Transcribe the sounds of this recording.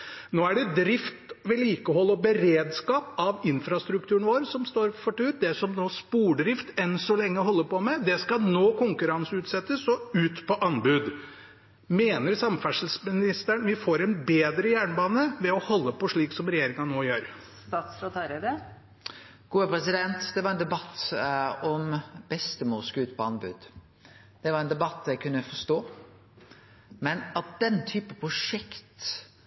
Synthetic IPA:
noːæɖɛd̪ɾɪft̪ʋɛliːkəɦɔlːɔbəɾeːd̪skɑːpɑʋɪnfɾɑst̪ɾʉk̚t̪ʰʉːəɳʋoːɾsɔmst̪oːɾfɔʈʉːt̪̚d̪ɛsɔmnoːspuːɖɾɪft̪ɛnsɔlɛŋːəɦɔlːəpɔmɛd̪ɛskɑnoːkʰʊŋkʉɾɑnsəʉːt̪sɛt̪ːəsɔʉːt̪pʰɔʔɑnbʉːd̪ | meːnəɾsɑmfæʂəl̩smɪnɪst̪əɳʋɪfoːɾɛnbeːd̪ɾəjæːɳbɑːnəʋɛɔhɔlːəpɔʂɭiːksɔmɾɛjeːɾɪŋɑnoːjøːɾ | st̪ɑːt̪sfɾɔt̪ʰɑɾɛd̪ə | ɡ̥uːəpɾɛsɪd̪ɛnt̪d̪ɛʋɑɾɛnd̪ɛbɑt̪ː | ɔmbɛst̪əmɔːlskʉːt̪̚pʰɔɑnbʉ̰ːd̪ | d̪̥ɛʋɑɾɛnd̪ɛbɑt̪ːæɪkʰʉnːəfɔʂt̪oː | mɛnɑt̪̚d̪̥ɛnt̪ʰyːpəpʰɾʊʂɛkt̪

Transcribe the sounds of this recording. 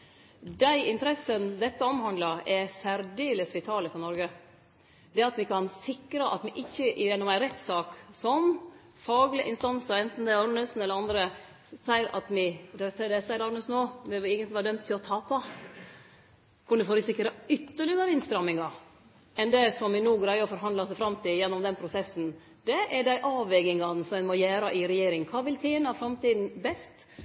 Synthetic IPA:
d̪æɪʔɪnt̪əɾɛsːənd̪ɛt̪ːəɔmhɑnd̪lɑɛsæɾd̪eːləsʋɪt̪ʰɑːləfɔɾnɔɾɡə | d̪ɛɑt̪ʋɪkʰɑnsɪkɾəʔɑ̰t̪mɪʔɪçːəɛnːɔmæɪɾɛt̪ːsɑːksɔm | fɑːɡlɪʔɪnst̪ɑnsəɾɛnt̪n̩d̪ɛɑɾnəsn̩ɛləɾɑnd̪ɾə | sæɪɾɑ̰t̪mɪɾɛlkt̪ʰːd̪ɛsæɪɾɑɾnəsnoːʋɪʋɪeːɡənt̪lɪʋɑːdœmt̪ʰːɪlɔt̪ʰɑːpɑ | kʰʊnd̪ʉfoːɾʉsɪkːɾəʏt̪ːəɭɪɡɑɾəɪnst̪ɾɑmːɪŋɑ | ɛnd̪ɛsɔmʋɪnuːɡɾæɪɔfɔɾɦɑnd̪lɑsæɪfɾɑmːt̪ʰɪljɛnːɔmd̪ɛnpʰɾʊsɛsːn̩ | d̪̥ɛʔɛɖæɪʔɑːʋʋɛɡɪŋɑnəsɔɛnmɔjæːɾɑʔɪɾɛjeːɾɪŋkʰɑːʋɪlt̪ʰeːnəɑfɾɑmt̪iːd̪n̩bɛst̪

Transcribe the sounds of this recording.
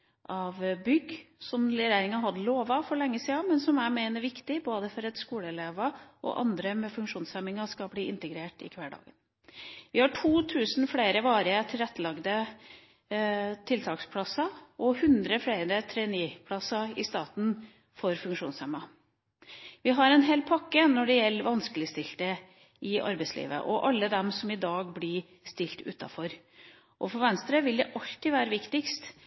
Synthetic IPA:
ʔɑʋbʏɡsɔmlɛɾæɪɾɪŋɑɦɑd̪loːʋɑfɔɾɭɛŋːəsiːɑmɛnsɔmæɾmeːnəɾʋɪkt̪ɪboːd̪əfɔɾɛt̪skuːləɛleːʋɑʔɔ̰ʔɑ̰nd̪ɾəmɛfʉŋkʂuːnsɛmɪŋɑskɑbliːʔɪnt̪əɡɾeːʈɪ̰kʰʋæɖɑ̰ːɡən | ʋɪhɑʈʰuːt̪ʰʉːsnfɽeɪɾəʋɑːɾəət̪ʰɪlɾɛt̪ːəlɑɡd̪ə | t̪ʰɪlt̪ʰɑːkspʰlɑsɑʔɔhʉnd̪ɾəfɽeɪɾət̪ʰɾɛːniːpʰlɑsɑɪst̪ɑːt̪n | fɔɾfʉŋkʂuːnsɛmːɑ | ʋɪɦɑɾɛnɦeːlpʰɑkːənɔɖɛjɛlːəʋɑnskəlɪst̪ɪlt̪ə | ʔɪʔɑ̰ɾbɛɪslḭːʋə̰ʔɔʔɑlːəd̪ɛmsɔmɪd̪ɑːɡblɪ | st̪ɪlt̪ʰʉ̰ːt̪ɑ̰fɔɾ | ʔɔfɔɾʋɛnst̪ɾəʋɪld̪ɛʔɑlt̪ɪʋæːɾəʋɪkt̪ɪkst̪

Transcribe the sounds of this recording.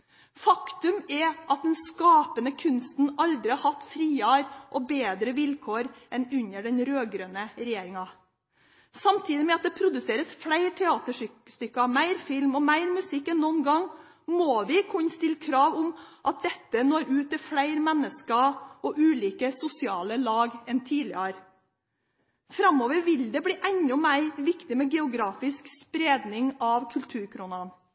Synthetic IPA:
fɑkt̪ʉmɛʔɑt̪̚d̪ɛnskɑːpənəkʰʉnst̪n̩ɑld̪ɾɪɑhɑt̪ːfɾiːɑɾʔɔbeːd̪ɾəʋɪlkʰoːɾʔɛnʉɲəɖɛnɾøːɡɾøːnəɾɛjeːɾɪŋɑ | sɑmt̪ʰiːd̪ɪmɛɑt̪̚d̪ɛpʰɾʊd̪ʉseːɾəsfɽæɪɾt̪ʰɛɑːt̪əʂst̪ʏkːɑmæɪɾfɪlmɔmæɪɾmʉsɪkːɛnːɔnɡɑŋ | moːʋɪkʰʊnst̪ɪlkʰɾɑːʋʊmʔɑt̪̚d̪ɛt̪ːənoːɾʉːt̪ɛfɽæɪɾmɛnːəskəɔʔʉːliːkəsʊsɪɑːləlɑːɡɛnt̪ʰiːlɪ̰əɾ | fɾɑmoːʋəɾʋɪld̪ɛbɽiːʔɛɲʊmæɪɾʋɪkt̪ɪmɛɡɛʊɡɾɑːfɪskspɾeːd̪nɪŋɑʋkʰʉlt̪ʰʉːɾkʰɾʊnɑn

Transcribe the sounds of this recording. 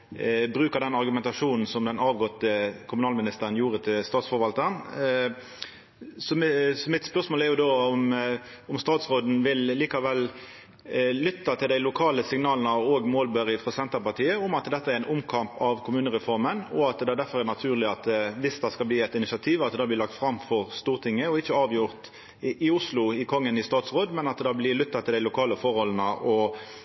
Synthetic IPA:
bɾʉːkəd̪ɛnɑɾɡʉmɛnt̪ɑʂuːnn̩sɔmd̪ɛnɑːʋɡɔt̪ːəkʰʊmʉnɑːlmɪnɪst̪əɾənjuːɾət̪ʰɪlst̪ɑːt̪sfɔɾʋɑlt̪ən | sɔsɔmɪt̪spœʁsmoːlæɾjʊd̪oːʊm | ʊmst̪ɑːt̪sʁoːd̪n̩ʋɪlːiːkɑʋɛlː | ʏt̪ːɑt̪ʰɪld̪æɪlʊkʰɑːləsɪŋnɑːlnəoːɡmoːlbœɾɪfɾɔsɛnt̪əpɑʁt̪ʰiːəʊmɑt̪d̪ɛt̪ːəæɾɪnʔʊmkʰɑmpɑʋkʰʊmʉːnəʁɛfɔɾmənɔɑt̪d̪ɛæd̪æɾfɔʁæʁnɑt̪ʰʉːʁlɪɑt̪ʋɪsd̪ɑskɑlbliːɛt̪ɪnɪsɑt̪ʰiːʋɑt̪d̪ɑːblɪlɑk̚t̪fɾɑmfɔʁst̪uːʁt̪ʰɪŋːəɔɪçːəɑːʋjʊʁt̪ | ʔɪʊslʊɪkʰɔŋːənɪst̪ɑːt̪sʁoːd̪mɛnɑt̪d̪ɑːblɪlʏt̪ːɑt̪ʰɪld̪æɪlʊkʰɑːləfɔʁhɔlən̩əʔɔ

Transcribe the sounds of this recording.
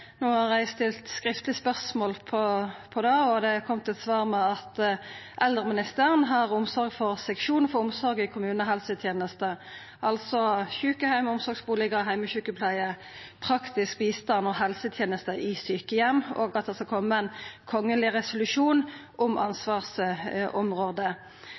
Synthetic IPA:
noːhɑʁæɪst̪ʰɪlt̪skɾɪft̪lɪspœʁsmoːlpʰɔpʰɔd̪ɑːɔd̪ɛkʰɔmt̪ʰɛt̪sʋɑːʁmɛɑt̪ | ʔɛld̪ʁəmɪnɪst̪æːʁənɦɑʁʊmsɔɾɡfɔʁsɛkʃuːnfɔʊmsɔɾɡɪkʰʊmʉːnəɦɛlsət̪ʰjeːnəst̪ə | ʔɑlsɔçʉːkəhæɪmʊmsɔɡsbuːlɪɡəɦæɪməçʉːkəpʰlæɪə | pʰɾɑkt̪ɪsk̚biːst̪ɑnɔɦɛlsət̪ʰjeːnəst̪əʔɪsyːkəjɛmːo̰ːɡɑt̪̚d̪ɛskɑlkʰɔmːəɛnkʰɔŋːəlɪʁɛsʊlʉʂuːnʔʊmʔɑ̰nsʋɑːʁsʔɔmʁoːd̪ə

